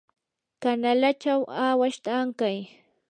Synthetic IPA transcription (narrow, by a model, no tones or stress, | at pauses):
kanalat͡ʃawaːwaʃt̪aːŋkaj